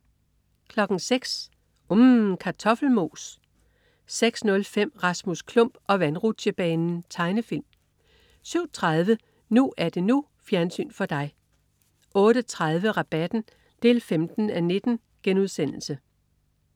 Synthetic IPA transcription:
kʰlɒ̽ɡ̥n̩seɡ̥s | umkʰɑ̈t͡sʰɒ̽fl̩mo̝ːs | seɡ̥snɔ̽lfem̰ʁɑ̈smuskʰlɔ̽m̰b̥ɒ̽ʋænʁu̥ɕəb̥ɛːnn̩t͡sʰɑ̈ɪnəfil̰m | syʊ̰t͡sʰʁaðˠʋə | nuʔæɐd̥e̝nu | fjæɐnsy̰ːnfɒ̽d̥ɑ̈ɪ | ʔɔ̽ːɾ̥ət͡sʰʁað̞ˠʋəʁɑ̈b̥æd̥n̩ | d̥e̝̰ːlfemd̥n̩æne̝d̥n̩ | ɡ̥enuð̞ˠsen̰l̩sə

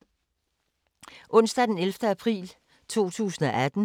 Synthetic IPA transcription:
ʔɔ̽n̰sd̥æd̥enelfd̥əæpʰʁḭːl | t͡sʰo̝̰ːt͡sʰṵːsn̩ɒʔæd̥n̩

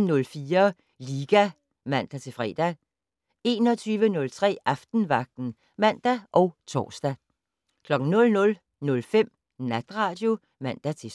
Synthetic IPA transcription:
nɔ̽lfiːɐ | liːɡ̥æ | mæn̰d̥æt͡sʰe̝fʁɛ̰ːd̥æ | e̝ːnɒt͡sʰyːʋənɔ̽lt͡sʰʁɛ̰ːʔɑfd̥n̩ʋɑ̈ɡ̥̚d̥n̩ | mæn̰d̥æʔɒ̽ʊt͡sʰɒ̰ːsd̥æ | kʰlɒ̽ɡ̥ŋ̩nɔ̽lnɔ̽l | nɔ̽lfem̰ | næd̥ʁɑ̈ːd̥jo̝ | mæn̰d̥æt͡sʰe̝

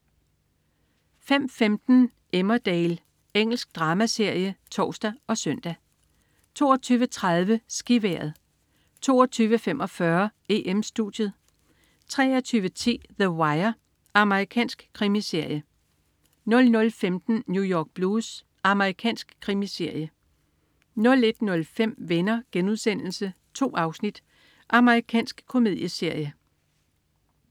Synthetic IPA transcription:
fem̰femd̥n̩ | ʔemɐd̥eːl | eŋ̰l̩sɡ̥̚d̥ʁɑ̈ːmæse̝ɐ̰jət͡sʰɒ̰ːsd̥æɒ̽sœn̰d̥æ | t͡sʰo̝̰ːɒ̽t͡sʰyːʋət͡sʰʁɑðˠʋəsɡ̥iʋḛɐð̞ˠ | t͡sʰo̝̰ːɒt͡sʰyːʋəfemʔɒ̽fɶɐe̝ʔemsd̥ud̥jəð̞ˠ | t͡sʰʁɛ̰ːɒt͡sʰyːʋət͡sʰḭːðəwɑ̈ɪɐ | ɑ̈məʁikʰɛ̰ːnsɡ̥kʰʁimise̝ɐ̰jə | nɔ̽lnɔ̽lfemd̥n̩njujɒːɡ̥̚b̥luːs | ɑ̈məʁikʰɛ̰ːnsɡ̥kʰʁimise̝ɐ̰jə | nɔ̽le̝d̥nɔ̽lfem̰ʋenɐɡ̥enuðˠsen̰l̩sə | t͡sʰo̝̰ːʔɑ̈ʊsnid̥ | ʔɑ̈məʁikʰɛ̰ːnsɡ̥kʰo̝me̝ðˠjəse̝ɐ̰jə

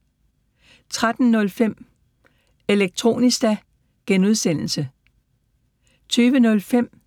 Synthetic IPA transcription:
t͡sʰʁad̥n̩ːɔ̽lfem̰ | e̝leɡ̥̚t͡sʰʁo̝̰ːnisd̥æ | ɡ̥enuð̞ˠsen̰l̩sə | t͡sʰyːʋənɔ̽lfem̰

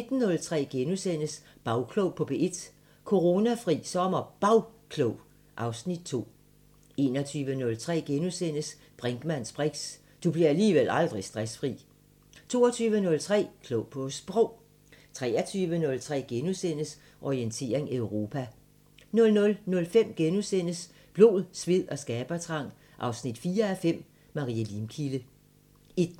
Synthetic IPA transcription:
ned̥n̩nɔ̽lt͡sʰʁɛ̰ːɡ̥enusen̰əsb̥ɑ̈ʊkʰlɔʊ̰pʰɒ̽b̥e̝e̝d̥ | kʰo̝ʁo̝næfʁḭːsɒ̽mɐb̥ɑ̈ʊkʰlɔʊ | ʔɑ̈ʊsnid̥̚t͡sʰo̝̰ː | e̝̰ːnɒt͡sʰyːʋənɔ̽lt͡sʰʁɛ̰ːɡ̥enusen̰əs | b̥ʁɛŋɡ̥mæn̰sb̥ʁɛɡ̥s | d̥ub̥liɐæliːʋel̰ɑ̈ld̥ʁisd̥ʁasfʁḭː | t͡sʰo̝̰ːɒt͡sʰyːʋənɔ̽lt͡sʰʁɛ̰ːkʰlopʰosb̥ʁɔʊ̰ | t͡sʰʁɛ̰ːɐt͡sʰyːʋənɔ̽lt͡sʰʁɛ̰ːɡ̥enusen̰əs | ʔɒient͡sʰe̝̰ːɐeŋeʊʁo̝ːpʰæ | nɔ̽lnɔ̽lnɔ̽lfem̰ɡ̥enusen̰əs | b̥lo̝ðˠsʋið̰ˠɒ̽sɡ̥ɛːb̥ɐt͡sʰʁɑ̈ŋ̰ | ʔɑ̈ʊsnid̥fiːɐæfem̰ | mɑ̈ʁḭːælimkʰilə | i̥

